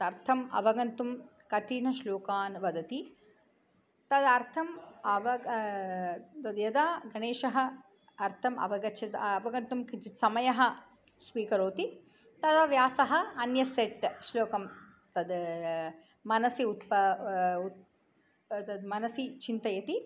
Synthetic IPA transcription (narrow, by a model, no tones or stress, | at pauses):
ɐɾt̪ʰɐmɐ̰ʋɐɡɐnt̪um | kɐʈiːnɐʃloːkaːnʋɐd̪ɐt̪i | t̪ɐd̪ɐɾt̪ʰɐmɐʋɐ | t̪ɐd̪jɐd̪aːɡɐneːʃɐɦɐ | ɐɾt̪ʰɐmɐ̰ʋɐɡɐt͡ʃʰɐt̪ɐɐʋɐɡɐnt̪umkit͡ʃit̪sɐmɐjɐɦɐ̆ | sʋiːkɐɾoːt̪i | t̪ɐd̪ɐʋjaːsɐɦɐ̆ɐnjɐseʈːʃloːkɐm | t̪ɐd̪ | mɐnɐsiut̪pɐu | t̪ɐd̪mɐnɐsit͡ʃint̪ɐjɐt̪i